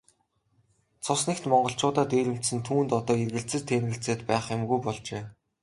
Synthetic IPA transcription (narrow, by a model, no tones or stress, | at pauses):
t͡sʰʊsnĕkt̪mɔɴɢɞ̆ɬt͡ɕʊːt̪aːt̪eːɾɘ̆m̥t̪sɘ̆nt̪ʰuːnt̪ɔt̪ɔːerɣɘ̆ɬt͡sɘ̆t͡ɕt̪ʰeːnɣɘ̆ɬt͡seːt̪pæːχʊmɡujpɔɮt͡ɕeː